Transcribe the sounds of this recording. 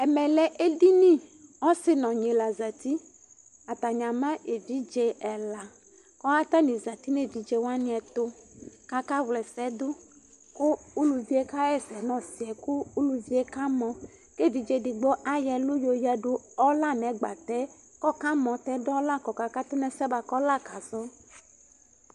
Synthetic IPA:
ɛ˨mɛ˨lɛ˨ʔe˦di˦nĩ˦ɔ˦sɪ˦nɔ̃˨ɲe˨la˨za˨t̪i˦ | a˨t̪a˨ɲã˨mã˦ʔe˨vi˨˦d͡ʒe˦ɛ˨la˨ | kɔ˦a˦t̪a˦nĩ˨za˨t̪i˦ne˨vi˨d͡ʒe˦wa˦nĩ˦ɛ˨t̪o˦ka˦ka˦wlɛ˨sɛ˨˦d̪o˦ | ku˦u˦lu˨vi˦e˦ka˦ɛ˦sɛ˨nɔ̃˨si˨ɛ˨ku˦u˦lu˨vi˦e˦ka˦mɔ̃˨ | ke˦˨vi˨d͡ʒe˨di˨ɡ͡bɔ˦ʔa˦jɛ˨lu˦jo˨jɛ˦ɖo˦ɔ˦la˦nɛ̃˨˦ɡ͡ba̰˨t̪ɛ˦ | kɔ˦ka˦mɔ̃˨t̪ɛ˦dɔ˦la˦kɔ˨ka˨ka˦t̪o˦nɛ̃˨sɛ˦ba˨kɔ˦la˦ka˨zɔ˦

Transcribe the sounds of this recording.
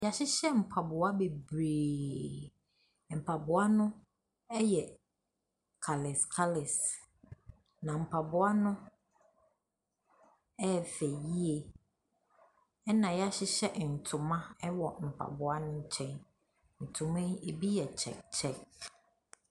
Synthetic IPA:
ja˨ɕɪ˦ɕɛ˦m̩˨pʰa˨bʊ˨a˦be˨bɾeː˨ | m̩˨pʰa˨bʊ˨a˦nʊ̃˦ | ɛ˦jɛ˨ | kʰa˨lɪ˨skʰa˦lɪ˨s | nã˨m̩˨pʰa˨bʊ˨a˦nʊ̃˦ | ɛ˦˨fɛ˨ji˦e˨ | ɛ˦nã˨ja˦ɕɪ˦ɕɛ˦˨n̩˨tʰʊ̃˨mã˦ɛ˦wɔ˨m̩˨pʰa̰˨bʊ˨a˦nʊ̃˦ɲ̩˦t͡ɕʰɛ̃˨n | n̩˨tʰʊ̃˨mẽ˦e˨bi˦jɛ˨t͡ɕʰɛ̰˨kt͡ɕʰɛ˦˨k

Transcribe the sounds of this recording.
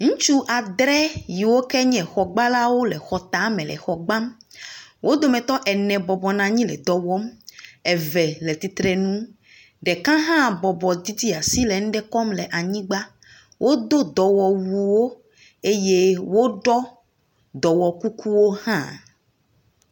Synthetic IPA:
ŋũ˦t͡ʃu˦ʔa˨d̪ɾɛ˦ji˨wo˦kɛ˦ɲɛ̃˨xɔ˨ɡ͡ba˦la˦wo˦lɛ˨xɔ˨t̪a˨˦mɛ̃˨lɛ̰˨xɔ˨ɡ͡bã˦m | wʔo˦d̪o˦mɛ̃˨t̪ɔ˦ʔɛ˨nɛ̃˨bɔ˨bɔ˨nã˨ɲĩ˦lɛ̰˨d̪ɔ˨wɔ˦mɛ˨vɛ˨lɛ˨t̪i˨t̪ɾɛ˨nũ˦ | ɖɛ˨kã˦ɦã˦bɔ˨bɔ˨d̪i˦d̪i˦a˨si˦lɛ˨ŋ̩˦ɖɛ˦kɔ˦mlɛ˨ʔa˨ɲĩ˦ɡ͡ba˦ | wʔo˦d̪o˦d̪ɔ˨wɔ˨wu˨wo˦ | e˦je˦wo˦ɖɔ˦ | d̪ɔ˨wɔ˨ku˦ku˦wo˦hã̰˦

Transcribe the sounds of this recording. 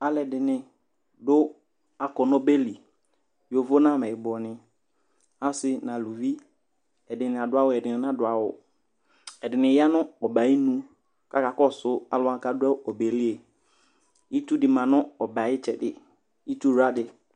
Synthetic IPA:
a˨lɛ˨dɪ˨nɪ̃˨ | dʊ˦ | a˨kɔ˨nɔ˦be˦li˨ | jo˨vo˦nã˦˨mɛ˨ɪ˨bɔ˨nɪ̃˨ | a˦sɪ˦nã˨lu˨vi˦ | ɛ˨dɪ˨nɪ̃˨a˨dʊ˨˦a˦wʊ˨ɛ˨dɪ˨nɪ̃˨n˦a˦dʊ˨a˨wʊ̰˨ | ɛ˨dɪ˨nɪ̃˨ja˦nʊ̃˦ɔ˨ba˨˦ɪ˦nũ˦ | ka˨ka˨kɔ˦˨sʊ˦a̰˨lʊ˨˦a˨ka˦dʊ˦a˦ɔ˨be˨li˦e˨ | i˦tu˦dɪ˨mã˨nʊ̃˦ɔ˨ba˨ɪ˦t͡ʃʰɛ˨dɪ̰˨ | i˦tu˦˨ɾa˦dɪ˨

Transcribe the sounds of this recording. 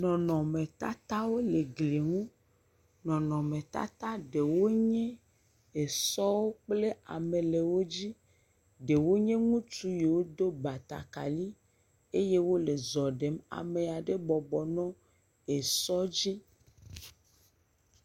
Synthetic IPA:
nɔ̃˨nɔ̃˨mẽ˨t̪a̰˦t̪a˦wo˦le˨ɡli˨ŋũ˦ | nɔ̃˨nɔ̃˨mẽ˨t̪a̰˦t̪a˦ɖe˨wo˦ɲẽ˦ | e˨sɔ˦wo˦k͡ple˦a̰˨mẽ˨le˨wo˦d͡ʑi˦ | ɖe˨wo˦ɲẽ˦ŋũ˦t͡ʃu˦je˨wo˦d̪o˦ba˨t̪a̰˨ka˨li˦ | e˦je˦wo˦le˨zɔ˨ɖe˨˦ma̰˨me˨a˨ɖe˦bɔ˨bɔ˨nɔ̃˦ | e˨sɔ˦d͡ʑi˦

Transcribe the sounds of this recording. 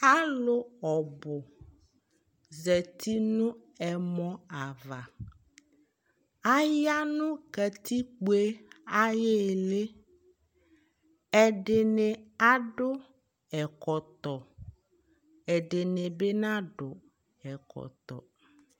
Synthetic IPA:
a˦lʊ˦ɔ˨bʊ˨ | zɛ˨t̪ʰi˦nʊ̃˦ | ɛ˨mɔ̃˦a˨va˨ | a˦ja˦nʊ̃˦kɛ˨t̪i˦k͡pu˦e˦a˦je˦˨le˦ | ɛ˨ɖɪ˨ne˨a˦ɖʊ˦ | ɛ˨kɔ˨t̪ɔ˨ | ɛ˨ɖɪ˨nɪ̃˨be˦nã˦ɖʊ˨ | ɛ˨kɔ̰˨t̪ɔ̰˨

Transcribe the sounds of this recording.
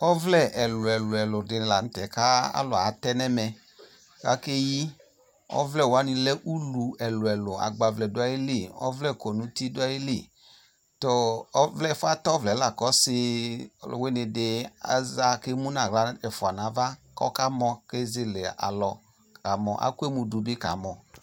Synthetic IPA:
ɔ˦vlɛ˦ʔɛ˨lʊ˨ɛ˨lɛ˨lʊ˨dɪ˨n˨la˨n̩˦tɛ˨ka˦a̰˦lɔ˨a˨tɛ˦nɛ˦mɛ˨ | ka˨˦ke˦ji˦ | ɔ̰˦vlɛ˦˨wa˨˦ni˧lɛ˦ʔu˦lu˨ɛ˨lʊ˨ɛ˨lʊ˨a̰˨ɡ͡ba˨vlɛ˨dʊ˦a˨ji˦le˦˨ɔ̰˦vlɛ˦˨kɔ˨nũ˨˦ti˦dʊ˦a˦ji˦le˦˨ | tɔ˨ɔ˦vlɛ˦˨fa˦tɔ˦vlɛ˨˦la˨kɔ˨˦sɪ˧˨l̰we˦nɪ˧dɪ˧a̰˨za˦ke˦mu˦na˦˨ɣla˦ɛ˨fʊ˨a˨na˨˦va˦kɔ̰˦ka˦mɔ˧ke˦zɪ˨le˨a̰˨lɔ˨ | ka˨mɔ˨ʔa̰˦kʷe˦mu˧du˨˦bɪ˦ka̰˨˦mɔ˨

